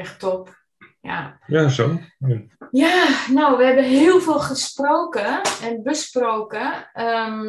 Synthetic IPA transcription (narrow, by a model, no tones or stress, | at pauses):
ɛxtɔp | ja̰jaso | janowʋəɦɛbəɦɪəlˠfɪːlˠxəsproːkəɛnbəsprowkəə